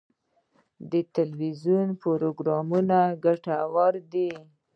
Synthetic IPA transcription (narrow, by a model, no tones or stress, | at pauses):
d̪ət̪alwizjunpoɾoɡɾɑmunaɡaʈawɑɾd̪i